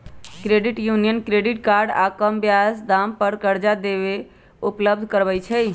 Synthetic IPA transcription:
kɾeɖiʈjunijənkɾeɖiʈkaɾɖa̰kəmbjasd̪ampəɾkəɾd͡ʒad̪eβe | upləbd̪ʱkəɾbɛjt͡ʃʰɛ

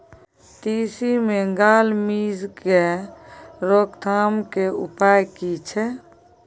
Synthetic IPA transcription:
t̪isimeɡaːlmid͡ʒke | ɾokt̪ʰamkeṵpajkit͡ʃʰɛ

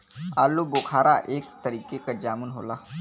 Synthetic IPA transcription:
a̰ːloboːkʰaːɾaʔeːkt̪əɾiːkekad͡ʒaːmʊnɦo̰ːlaː

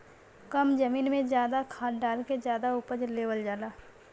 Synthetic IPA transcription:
kəmd͡ʒɐmiːnmẽzjaːd̪akʰaːʈɖaːlkezjaːd̪auːpəd͡ʒleːʋəld͡ʒaːlaː

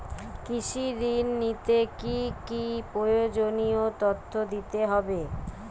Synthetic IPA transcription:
kiʃidinːit̪ekikipɾojod͡ʑoniot̪ot̪ʰːod̪it̪eɦɔbe

